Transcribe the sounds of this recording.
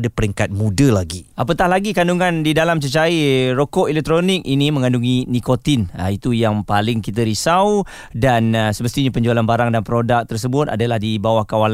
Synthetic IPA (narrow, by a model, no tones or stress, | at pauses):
dapəɾiŋkat̪̚mudəlaɡiapət̪ahlaɡikanduŋãndidalamt͡ʃət͡ʃaiɾokɔʔɛlɛk̚t̪ɾonɪk̚inimə̃ŋãnduŋinikot̪inəit̪ujaŋpalɪŋkit̪əɾisaw | dansəməst̪iɲapəɲd͡ʒualanbaɾaŋdanpəɾodak̚t̪ərs̬əbʊt̪̚a̰dalahdibawahkawal